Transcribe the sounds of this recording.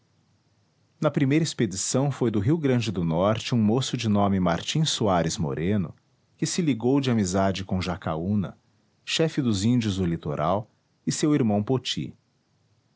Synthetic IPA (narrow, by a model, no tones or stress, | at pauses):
nɐpɾimejɾɐisped͡ʒisɐ̃w̃fojd̪ʊɦiwɡɾɐ̃d͡ʒɪd̪ʊnɔɾt͡ʃɪũmosʊd͡ʒɪnõmɪma̰ɾt͡ʃĩsuaɾɪzmo̰ɾʔẽnʊ̰ | kɪsɪliɡowd͡ʒɪamizad͡ʒɪkõʒaka̰unɐ̰ | ʃɛfɪd̪ʊzĩnd͡ʒiʊzd̪ʊlit̪oɾʔa̰w | ɪsewiɾmɐ̃w̃pot͡ʃḭ